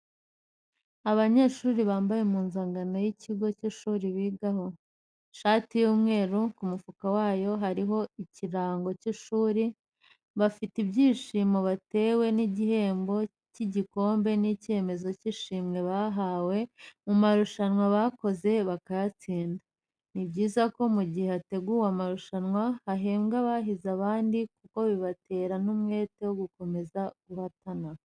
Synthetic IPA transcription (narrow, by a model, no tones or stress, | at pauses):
aβaɲe̞ːʃuːɾiβaːmbajemuːnzaːŋɡanojiciɡo̞ciʃuːɾiβiːɡaho̞ | ʃaːtijuːmŋe̞ːɾukumufukawaːjo̞ɦaɾiɦo̞iciɾaːŋɡo̞ciʃuːɾi | βafitibjiːʃimoβate̞ːwe̞niɟihe̞ːmbo̞ | ciɟiko̞ːmbe̞nice̞ːme̞zo̞ciʃiːmŋe̞βaɦawe̞mumaɾuʃanwaβako̞ze̞βakajat͡siːnda | nibɟiːzako̞muɟiheate̞ɡuːwamaɾuʃanŋwahaɦeːmɡaβaɦizaβaːndikuko̞βiβate̞ːɾanumŋe̞ːte̞woɡuko̞me̞zaɡ̥uhatana